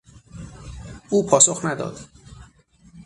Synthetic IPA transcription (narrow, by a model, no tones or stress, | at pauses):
ʔuːpʰɒːsoxnæd̪ɒ̰ːd̪̥